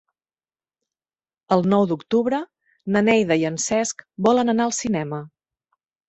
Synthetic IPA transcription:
əlˠnɔwd̪ukt̪uβɾə | nənɛjðəiənsɛskbɔlənənaəlˠsinɛmə

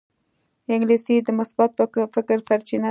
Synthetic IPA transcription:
ɪŋɡlisid̪əmasbɑt̪̚pfɪkɾsaɾt͡ʃina

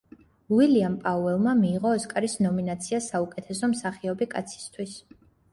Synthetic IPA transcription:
wiliampʼauvɛlˠmamiːʁɔːskʼaɾisnɔminat̪sʰiasaukʼɛt̪ʰɛsɔmsaχiɔbikʼat̪sʰi̥st̪ʰwis

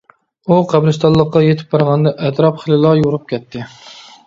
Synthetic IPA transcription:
uqʰæblɨst̪ɑlˠːəqːɑjet̪ʰɪ̥p̚bɑɾʁɑnd̪ɛʔɛt̪ɾɑpχəlɨlˠɑjoɾup̚kʲʰɛt̪ʰːɪ

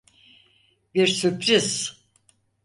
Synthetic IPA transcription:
biɾsypʰɾiz̥

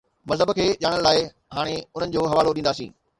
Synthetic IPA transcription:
mɐzɦəbkʰeːʄaːɽ̃ənlaːɪ | ɦaːɽ̃eʊn̤ənɪ̆d͡ʑoːɦɐʋaːloɗĩnd̪aːsḭ̃ː

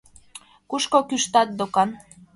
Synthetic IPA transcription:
kuʃkokyʃt̪ɑt̪̚d̪okɑn

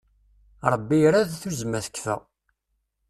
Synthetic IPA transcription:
ɾˤəbːiɾaðθuzmæθə̥kːθə̰

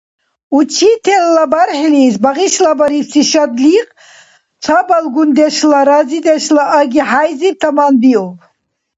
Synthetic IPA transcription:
ut͡ʃʰit̪ʰɛlːabaɾħilisbaʁiʃlabaɾipsiʃad̪liqʼ | t͡sʰabalɡund̪ɛʃlaɾazid̪ɛʃlaʔaɡiħajzip̚t̪ʰamanbiɔpʰ

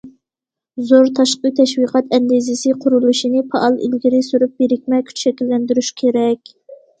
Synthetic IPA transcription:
zoɾt̪ʰɑʃqət̪ʰɛʃwiqʰɑt̪ɛnd̪izɪsɪqʰʊɾulˠuʃinɨpʰɑʔɑlˠḭlɡʲiɾɪsuɾup̚beɾɪkʲmɛkʲʰy̥t͡ʃʃɛkʲilːɛnd̪yɾyʃkʲʰeɾɛkʲ

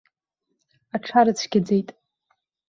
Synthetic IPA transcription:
aʈ͡ʂʰaɾɨt͡sʷʰɡʲad͡zejtʼ

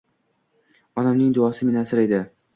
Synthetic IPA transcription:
ɒnamnɪŋd̪ʊɒsɪmɪnasɪɾe̞d̪ɪ

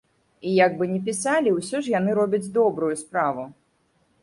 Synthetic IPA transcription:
ijaɡ̚bɨnʲɛpʲisalʲiwsʲɔʂjanɨɾɔbʲɐd͡zʲd̪ɔbɾujuspɾavu

